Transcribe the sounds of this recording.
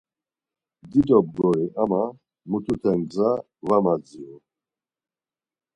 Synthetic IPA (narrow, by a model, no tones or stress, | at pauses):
d̪id̪ɔb̚ɡɔɾiʔama | mut̪ʰut̪ʰɛŋd͡za | vamad͡ziɔ